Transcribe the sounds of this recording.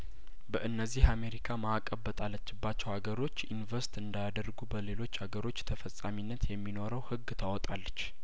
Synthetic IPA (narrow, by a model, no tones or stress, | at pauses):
bəʔɨnːəzːihame̞ɾikʰamaːkʼəbːət̪ʼalːət͡ʃːɪbːat͡ʃːɛwaɡəɾo̞t͡ʃːinvəɾst̪ɨnd̪ajad̪ərɡubəle̞lo̞t͡ʃːhaɡəɾo̞t͡ʃːt̪ʰəfəsʼaminːət̪jɛmːino̞ɾəwhɨɡːt̪ʰawɔt̪ʼalːət͡ʃː